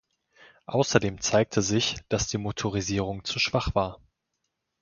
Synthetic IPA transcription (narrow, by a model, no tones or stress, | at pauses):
ʔaʊsɐdeːmt͡saɪk̚tʰəzɪçd̥asd̥iːmotʰoʁiziːʁʊŋt͡suʃv̥aχv̥aːɐ